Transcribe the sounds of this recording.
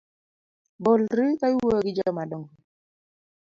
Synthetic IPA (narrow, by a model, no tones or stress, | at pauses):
bɔlɾikaiwoɡɪd͡ʒɔmadɔŋ